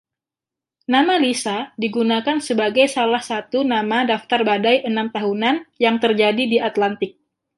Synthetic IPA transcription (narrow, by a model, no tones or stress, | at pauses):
namalisadiɡunakansəbaɡajsalahsat̪unamadaft̪arbadajʔənamt̪aɦunanjaŋt̪ərd͡ʒadidiat̪lant̪ɪk̚